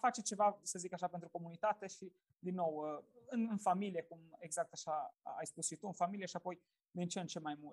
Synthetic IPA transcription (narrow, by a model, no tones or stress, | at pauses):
fat͡ʃet͡ʃe̞vasəzikaʃape̞nt̪ɾuko̞munit̪at̪e̞ʃi | d̪inːo̞wɨnɨnfamilije̞kume̞ɡzak̚t̪aʃaa̰jspusʃit̪uɨnfamilijeʃiapo̞j | d̪int͡ʃent͡ʃe̞majmult̪